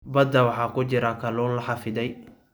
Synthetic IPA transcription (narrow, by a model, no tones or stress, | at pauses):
bɐd̪ɐwɑħɑːkʰʊt͡ʃɪɾɐkʰɐlɔːnlɐħɑfɪðɛj